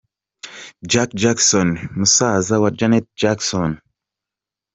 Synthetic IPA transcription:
d͡ʒakd͡ʒaksɔnmusaːzawad͡ʒanet̪̚d͡ʒaksɔn

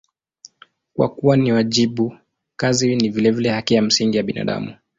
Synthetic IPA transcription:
kwa̰kuwaniwaʄiɓu | kazinivilɛvilɛhakijam̩siŋɡijaɓina̰ɗa̰mu

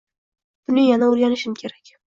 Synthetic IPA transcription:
b̥ʊnɪjanaolɡʲanɪʃɪmkʲʰe̞ɾakʲ

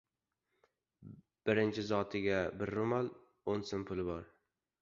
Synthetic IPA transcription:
b̥ɪɾɪnt͡ʃʰɪzɒt̪ʰɪɡʲabɪɾːʊmal | onsɪnpʰʊlˠɪbɒɾ

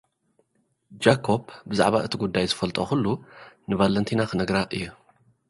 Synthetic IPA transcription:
d͡ʒakʰo̞bbɨza̰ʕβaɨt̪ʰiɡud̪ːajzɨfɐlt̪ʼoxulːunɨvalɐnt̪ʰinaxɨnɐɡɾaʔɨjːu

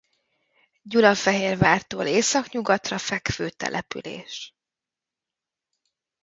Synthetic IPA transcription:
ɟulɒfɛɦeːrvaːrt̪oːleːsɒkɲuɡɒt̪rɒfɛkføːt̪ɛ̰lʔɛpy̰lḛːʃ

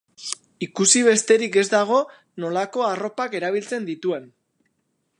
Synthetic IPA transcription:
ikusiβ̞e̞st̪e̞ɾike̞zd̪aɣ̞o̞ | no̞lako̞aro̞pake̞ɾaβ̞ilt͡se̞nd̪it̪ue̞n

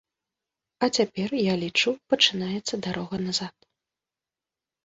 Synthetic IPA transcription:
ɐt͡sʲapʲɛrjalʲit͡ʂupɐt͡ʂɨnajɛt̪sːɐd̪aɾɔɣɐnazat̪

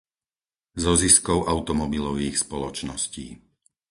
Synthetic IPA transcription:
zɔziskɔʊʔaʊt̪ɔmɔbilɔʊixspɔlɔt͡ʃnɔsciː

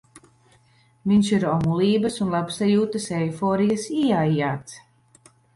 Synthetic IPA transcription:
viɲʲʃiɾɔmulˠiːbɐsunlˠapsajuːt̪ɐsɛjfoːɾijɐsiajaːt̪s

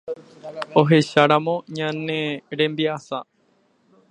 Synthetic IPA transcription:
oɦe̞ʃaɾamõ̞ɲãnẽɾẽ̞mbiasa

